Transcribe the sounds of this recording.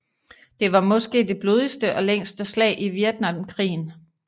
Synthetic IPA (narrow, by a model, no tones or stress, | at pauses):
d̥e̝ʋɑ̈mɒ̽sɡ̥e̝̰ːd̥e̝b̥lo̝ːðˠisd̥əʔɒ̽leŋ̰sd̥əslɛ̰ːɪʔiʋjeɐd̥nɑ̈mkʰʁḭːn̩